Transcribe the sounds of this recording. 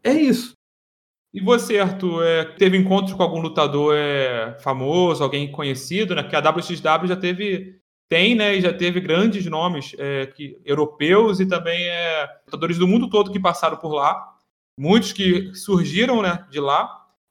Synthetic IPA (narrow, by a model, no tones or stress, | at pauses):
ɛisʊ̥ | ɪboseɾt̪ʊɛt̪evɪẽŋkõnt̪ɾʊkõawɡũlut̪ad̪oɾɛfamozʊawɡẽj̃kõɲesid̪ʊnɛpʊ̥kead̪abliusit͡ʃd̪ablʲuʊʒat̪evɪ | t̪ẽj̃nɛɪʒat̪evɪɡɾɐ̃d͡ʒɪznõmɪsɛkɪewɾopewzɪt̪ɐ̃mbẽj̃ɛlut̪ad̪oɾɪzd̪ʊmũnd̪ʊt̪od̪ʊkɪpasaɾɐ̃w̃pʊɾla | mũj̃t̪ʊʃkɪsuɾʒiɾɐ̃w̃nɛd͡ʒɪla